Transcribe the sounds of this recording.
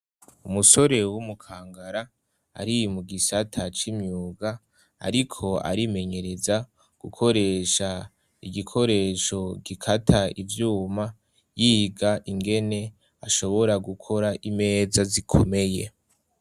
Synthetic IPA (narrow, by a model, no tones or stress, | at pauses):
umuso̞ɾe̞wumukʰaːŋɡaɾa̰ː | ɾimuɡisatʰat͡ʃimɲuːɡa̰ː | ɾikʰo̞a̰ɾime̞ɲe̞ɾe̞za | ɡ̥ukʰo̞ɾe̞ːʃa | iɡikʰo̞ɾe̞ːʃo̞ɡikʰatʰaivjuːma | jiɡaʔiŋɡe̞ne̞ | aʃo̞βo̞ɾaɡukʰo̞ɾaʔime̞ːzazikʰo̞̰me̞je̞